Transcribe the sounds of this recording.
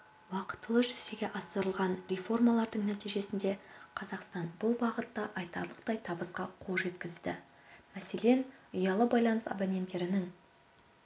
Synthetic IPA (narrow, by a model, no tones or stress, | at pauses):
wɑqə̥t̪ːəlˠəʒʏzeɡʲe̞ʔɑsəɾəlˠʁɑnɾʲefo̞rmɑlˠɑɾd̪əɴnæt̪ijʒe̞sɪnd̪e̞qʰɑzɑqst̪ɑnbʊlˠbɑʁət̪ːɑʔɑjt̪ɑ̰ɾlˠəq̚t̪ɑjt̪ʰɑbəsqɑqʰolˠʒe̞t̪kʲɪzd̪ɪ̰ | mæse̞le̞nʊjɑlˠəbɑjlˠɑnəsɑ̰bɑnʲe̞nt̪ːe̞ɾɪnɪŋ